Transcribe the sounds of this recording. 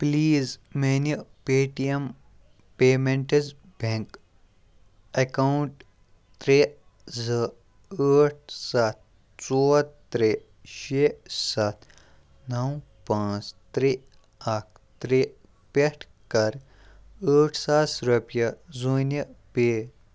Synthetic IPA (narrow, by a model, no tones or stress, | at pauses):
pliːzmenipeːʈijem | peːmeɳʈez | bʱẽŋk | ɐkawɳʈ | t̪ɾe | zə | əːʈ̚ʰsɐt̪̚ | t͡soːt̪ː | ɾe | ʃeːsɐt̪ʰ | nɐwpãːt͡st̪ɾi | ɐk̚ʰ | t̪ɾi | peʈʰ | kɐɾ | əːʈʰsasɾɐpjɐzuːnɐpeː